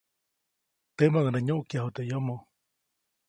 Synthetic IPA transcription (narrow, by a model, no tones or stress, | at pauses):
t̪emaŋnaɲoʔkjaɦot̪eʔjomõ